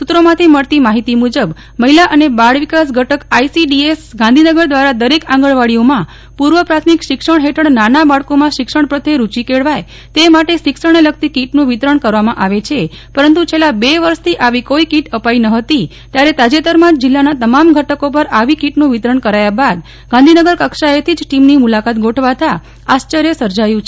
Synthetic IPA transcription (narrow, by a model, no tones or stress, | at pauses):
sut̪ɾomãt̪ʰiməɭt̪imaɦit̪imud͡ʒəb | məɦilaʔənebaɽʋikas̬ɡʱəʈəkaisiɖiesɡãnd̪ʱinəɡəɾd̪ʋaɾad̪əɾekãŋɡəɭʋaɽijomã | puɾʋəpɾat̪ʰmikʃɪkʂəɳ̃ɦeʈʰəɽnanabaɭkomãʃɪkʂəɳ̃pɾət̪ʰeɾut͡ʃikeɭʋaj | t̪emaʈeʃɪkʃəɳ̃elək̚t̪ikiʈnũʋit̪ɾəɳkəɾʋamãʔaʋet͡ʃʰe | pəɾənt̪ut͡ʃʰelabeʋəɾʃt̪ʰiʔaʋikoikiʈəpainəɦət̪i | t̪jaɾet̪ad͡ʒet̪əɾmãd͡ʒd͡ʒɪlːanat̪əmamɡʱəʈəkop̬əɾaʋikiʈnũʋit̪ɾəɳkəɾajabad̪ | ɡãnd̪ʱinəɡəɾkəkʃaet̪ʰid͡ʒʈimnimulakat̪ɡʱoʈʰʋat̪ʰa | ast͡ʃəɾjəsəɾd͡ʒajũt͡ʃʰe